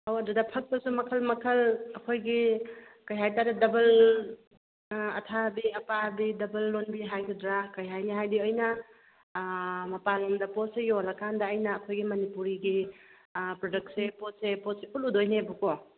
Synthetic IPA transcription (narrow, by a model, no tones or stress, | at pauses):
awɐdudɐpʰɐk̚pɐsumɐkʰɐlmɐkʰɐlɐkʰojɡikɐjɦajtaɾedɐbɐl | ɐtʰabiɐpabidɐbɐlːonbiɦajkʰidɾakɐjɦajniɦajdiɔjnɐ | mɐpalɔmdɐposeɡiolɐkʰandɐːjnɐːkʰojɡimɐnipuɾiɡi | pɾodɐk̚tsepot̚sepɔt̚sepʰuludojnebukɔ